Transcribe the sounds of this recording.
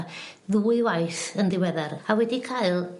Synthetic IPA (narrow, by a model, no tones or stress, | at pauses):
ðuːɨwajθəndɪwɛðɛɾawɛdikʰaɨlˠ